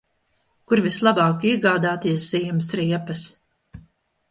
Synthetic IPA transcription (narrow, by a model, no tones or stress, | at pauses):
kuɾvislˠabɑːkiɛɡaːd̪aːt̪iɛsz̥iɛmsɾiɛpɐs